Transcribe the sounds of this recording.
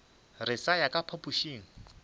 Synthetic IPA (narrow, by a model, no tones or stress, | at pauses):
rɪsajakʼapʰapuʃiːŋ̩